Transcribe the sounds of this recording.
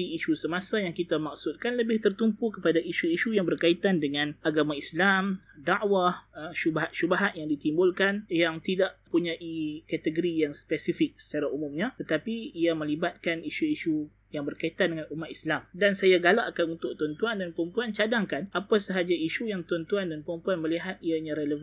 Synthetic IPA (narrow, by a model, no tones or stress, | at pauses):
iiʃusəmasajaŋkit̪amaksut̪̚kanləbɪht̪ərt̪umpukəpadaʔiʃuiʃujaŋbərkait̪andəŋãnaɡamaislamdaʔwahʃubaɦat̪ʃubaɦat̪̚jaŋdit̪imbʊlkanjaŋt̪idaʔpuɲãʔikɛt̪əɡoɾijaŋspɛsifɪk̚sə̥t͡ʃaɾaumũmɲãt̪ət̪apiːamə̃libat̪̚kaniʃuiʃu | jaŋbərkait̪andəŋãnumat̪islamdansajaɡalaʔkanunt̪ʊʔ̚t̪uant̪uandanpəɾəmpuant͡ʃadaŋkanapasəɦad͡ʒaiʃujaŋt̪uant̪uandanpəɾəmpuanmə̃liɦat̪̚iaɲãɾeləv